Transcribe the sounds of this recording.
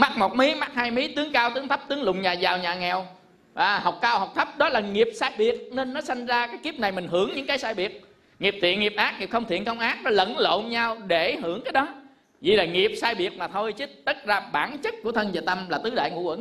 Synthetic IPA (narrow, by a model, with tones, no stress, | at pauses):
ma˦˥k̚mo˨˩t̚mi˨˦ma˦˥k̚haː˧jmi˨˦t̪ɨ˨˦əŋkaː˧wt̪ɨ˨˦əŋt̪ʰə˦˥p̚t̪ɨ˨˦əŋlʊ̰˧˨ŋ͡mɲaː˨˩zaː˨˩wɲaː˨˩ŋɛ˨˩w | ʔaː˨˩ha˨˩wk͡p̚kaː˧wha˨˩wk͡p̚t̪ʰə˦˥p̚ɗɔ˨˦laː˨˩ŋi˨˩əp̚saː˧jɓi˨˩ək̚ne˧nːɔ˨˦sa˧jŋ̟zaː˧kaː˨˦jki˦˥p̚na˨˩jmï˨˩ŋ̟ɦɨ˧˩əŋɲɨ̰˧˥ŋkaː˨˦jsaː˧jɓi˨˩ət̚ | ŋi˨˩əp̚t̪ʰḭ˧˨ənŋi˨˩p̚ʔaː˦˥k̚ŋi˨˩p̚xə˧wŋ͡mt̪ʰḭ˧˨ənkə˧wŋ͡mʔaː˦˥k̚nɔ˨˦lə̰˧˨nlo̰˧˨ɲa˧wɗe˧˩ɦɨ˧˩əŋkaː˨˦jɗɔ˨˦ | vḭ˨˩laː˨˩ŋi˨˩əp̚saː˧jɓi˨˩ək̚maː˨˩t̪ʰo˧jt͡ɕɨ˨˦t̪ə˦˥t̚zaː˧ɓaː˧˩nt͡ɕə˦˥t̚ku˧˩ət̪ʰə˧nzaː˨˩t̪ə˧mlaː˨˩t̪ɨ˨˦ɗa̰ː˧˨jŋṵ˧˥w̰ŋ